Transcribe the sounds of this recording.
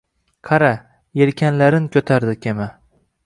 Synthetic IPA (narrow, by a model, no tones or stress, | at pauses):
qʰɑɾa | eɾkʲʰanlaɾɪnkʰʲɵt̪ʰaɾd̪ɪkʲʰema